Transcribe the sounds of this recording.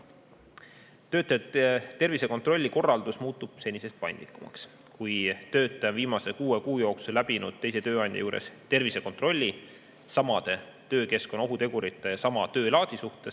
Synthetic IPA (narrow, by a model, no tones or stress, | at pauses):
t̪ø̞ːt̪ːˑɑjɑt̪e̞rvise̞ko̞nt̪ro̞lʲːiko̞rːɑld̪usmuːt̪ːˑub̥se̞nʲise̞st̪̚pɑjnd̪likːˑumɑ̰ks | kujt̪øːt̪ːˑɑjɑviːmɑse̞kuːekuːjo̞ːksulæbinud̪̥̚t̪e̞jse̞t̪øːɑjnʲd̪ʲjɑ̰juːɾḛst̪e̞rvise̞ko̞nt̪ˑro̞lʲːi | sɑmɑd̪̥e̞ | t̪øːke̞sko̞no̞ɦut̪e̞ɡ̥uɾit̪ːˑejɑsɑmɑt̪ø̞ːlɑːt̪isuht̪e̞s